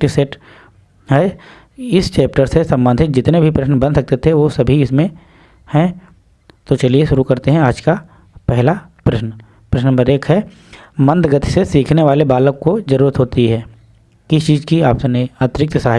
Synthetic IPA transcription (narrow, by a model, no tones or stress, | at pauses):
ʈisɛʈ | ɦɛ | ɪst͡ʃɛːp̚ʈəɾsesɐ̃mbə̃nd̪ʱɪt̪d͡ʒɪt̪nebʱipɾɐʃnbɐ̃nd̪sɐk̚t̪et̪ʰeʋosɐbʱiɪsmẽ | hɛ̃ | t̪ot͡ʃɐlieʃʊɾukɐɾt̪eɦɛ̃aːd͡ʒka | pɛɦlapɾɐʃnə | pɾɐʃnəmbəɾeːkɦɛ | mɐ̃nd̪ɡɐt̪isesiːkʰneʋaːlebaːləkkod͡ʒɐɾuːɾət̪ɦoːt̪iɦɛː | kɪst͡ʃiːzkiaːpseneaːt̪ɾɪk̚t̪saːɦ